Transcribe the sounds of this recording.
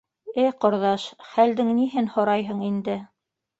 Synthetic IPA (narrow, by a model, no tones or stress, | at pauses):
ɘqŏɾðɑʃχæld̪ɘŋniɦɘnhŏɾɑjɦɤɴind̪ɘ